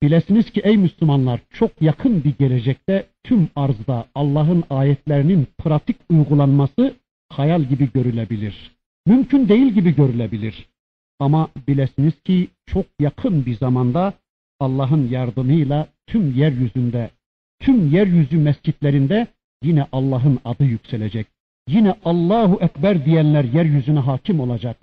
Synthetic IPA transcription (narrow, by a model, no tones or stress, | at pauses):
b̥ilæsiniz̥cʰiʔɛjmyslumɑnlˠɑɾt͡ʃʰoqjɑqʰɯnbiɟɛlɛd͡ʒɛc̚t̪æt̪ʰymɑɾzd̪ɑːlˠːɑɦɯnɑːjɛt̪ʰlæɾininpʰɾat̪ʰikʰujʁulˠɑnmɑsɯ | hɑjɑlˠɟibiɟøɾylæbiliɾ̥ | mymcʰynd̪ejilɟibiɟøɾylæbiliɾ | ɑmɑbilæsiniz̥cʰit͡ʃʰoq̚jɑqʰɯnbiɾzɑmɑnd̪ɑ | ɑlˠːɑɦɯnjɑɾd̪ɯmɯjlˠɑt̪ʰymjæɾjyzynd̪æ | t̪ʰymjæɾjyzymæst͡ʃid̪læɾind̪æ | jinɛʔɑlˠːɑːɦɯnɑd̪ɯjycʲsælæd͡ʒæc̚ | jinæʔɑlˠːɑːɦuʔækbæɾd̪ijænlæɾjæɾjyzynæɦɑːcʰimo̞lˠɑd͡ʒɑq̚